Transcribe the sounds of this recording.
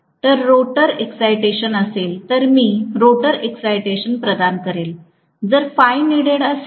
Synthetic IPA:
t̪əɾːoʈəɾeksajʈeɕənəselt̪əɾmiːɾoʈəɾeksajʈeɕənpɾəd̪ankəɾel | d͡zəɾfajneɽeɽəs

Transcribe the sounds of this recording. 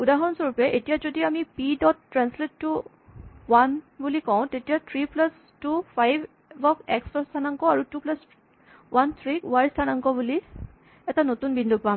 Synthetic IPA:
udaɦɔnsɔɹupɛʔetijazodiamipidɔtːɹansletːu | wanbulikɔ̃ʊ̃tetijat̪ʰɹiplas | tupʰajb | bɔkɛkstɔstʰanaŋkɔaɹutuplas | wʔant̪ʰɹiuajstʰanaŋkɔbuli | ɛtanotunbindʱukpam

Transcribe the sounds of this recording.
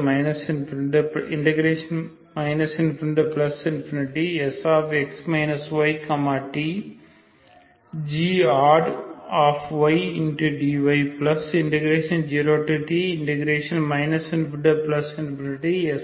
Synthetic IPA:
mɐjnɐsinpʰɾɳɖɐpiɳʈeɡɾeːʂɐn | mɐjnɐsinpʰɾiɳɖɐplɐsinpʰiniʈiɛsaːpeksmɐjnɐsʋɐjkɐmaːʈi | d͡ʒiːaːɾaːfʰʋɐjiɳʈiɖiːʋɐjplɐsiɳʈeɡɾeːʃɐnd͡ʒiːɾoːʈiʈiːɳʈeɡɾeːʂɐnmɐjnɐsinpɖɐplɐsinpiniʈiɛs

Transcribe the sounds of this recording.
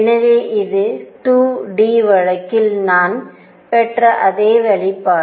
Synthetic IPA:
nɐʋeːʔɪðɯʈuːɖiːʋɐɻɐkːɪlnaːn | pɛʈrɐʔɐðeːʋɛɭɪpːaː

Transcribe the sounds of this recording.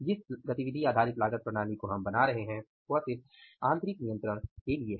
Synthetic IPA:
d͡ʒɪsɡɐt̪iʋɪd̪ʱiaːd̪ʱaːɾɪt̪laːɡət̪̚pɾɐɽ̃aːlikoɦɐmbɐnaɾɐɦeɦɛ̃ | ʋɐsɪ | ãːnt̪ɾɪknijə̃nt̪ɾəɽ̃kelie

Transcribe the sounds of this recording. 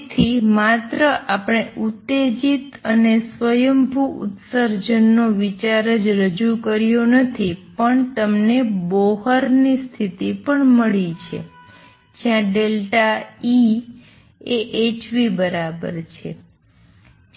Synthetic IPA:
t̪ʰimat̪ɾəʔapəɳ̃eʔut̪ːed͡ʒit̪ənesʋəjəmbʱuʊ̰t̪səɾd͡ʒənːoʋit͡ʃaɾəd͡ʒɾəd͡ʒukəɾjonət̪ʰipəɳt̪əmneboɦəɾnist̪ʰit̪ipəɳməɭit͡ʃʰḛ | d͡ʒjãɖelʈai | eʔet͡ʃʋibəɾabə̰ɾt͡ʃʰḛ

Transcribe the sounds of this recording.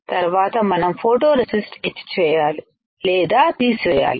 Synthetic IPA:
t̪ɐɾʋaːt̪ɐmɐnɐmfʰoːʈoːɾesisʈet͡ʃːt͡ʃɛːjaːli | lɛːd̪aːt̪iːsʋɛːja̰ːli

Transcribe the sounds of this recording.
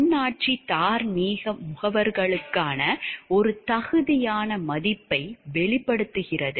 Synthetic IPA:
nːaːʈ̚t͡ʃit̪aːɾniːɣɐmʊɣɐʋɐɾɣɐɭɯkːaːnɐɔɾɯt̪ɐɣɯðɪjaːnɐmɐðɪpːɐɪʋɛɭɪpːɐɽɯt̪ːɯɣɪrɐðɯ

